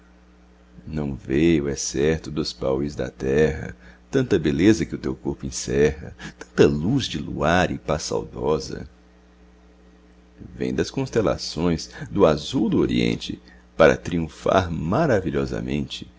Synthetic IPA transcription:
nɐ̃w̃vejʊɛsɛɾt̪ʊd̪ʊspawɪzd̪ɐ̰t̪ɛɦɐ̰t̪ɐ̃nt̪ɐbelezɐkɪʊt̪ewkoɾpʊẽsɛɦɐt̪ɐ̃nt̪ɐluzd͡ʒɪluaɾɪpasa̰wd̪ɔzɐ̰ | vḛ̃j̃d̪ɐskõst̪ela̰sõj̃sd̪ʊazuwd̪ʊoɾiḛ̃nt͡ʃɪ | paɾɐ̰t̪ɾiũfa̰ɾmaɾaviʎɔzɐ̰mẽnt͡ʃɪ̥

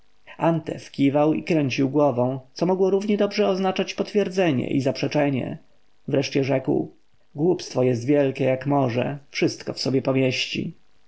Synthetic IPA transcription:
ant̪ɛ̰fkʲivawḭkɾɛɲt͡ɕiwɡwɔvɔ̃w̪̃sɔmɔɡwɔɾuvɲɛd̪ɔbʐɛɔznat͡ʂat͡ɕpɔt̪fʲjɛɾd̪zɛɲɛ̰ʔizapʂɛt͡ʂɛɲɛ̰ | vɾɛʂt͡ɕɛʐɛkw | ɡwupst̪fɔjɛst̪vʲjɛlkʲɛjakmɔʐɛ̰fʂɘst̪kɔfsɔbʲjɛpɔmʲjɛɕt͡ɕḭ

